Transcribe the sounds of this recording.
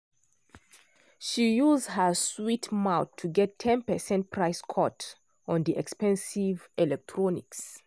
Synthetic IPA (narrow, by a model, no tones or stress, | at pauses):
ʃijuzdhəswitmaʊtʰːuɡɛtʰːɛ̃npɛsɛ̃nt̚pʰɹaɪskʰɔt | ɔ̃ndiʔɛkspɛ̃nsivɛlɛk̚tʰɹɔnḭks